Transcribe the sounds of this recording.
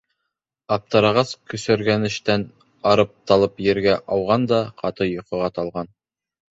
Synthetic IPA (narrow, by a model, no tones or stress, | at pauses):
ɑp̚t̪ɤ̆ɾɑʁɑskɵ̆sæ̆ɾɡænɘ̆ʃt̪æn | ɑɾɤp̚t̪ɑlˠɤpjɘ̆ɾɡæʔɑwʁɑnd̪ɑqʰɑt̪ɤjŏqɤ̆ʁɑt̪ɑlˠʁɑn